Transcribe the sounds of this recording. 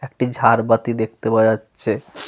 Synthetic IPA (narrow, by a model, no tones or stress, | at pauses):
ek̚ʈid͡ʒʱaɾbət̪id̪ek̚ʰt̪ebaatːʃʰe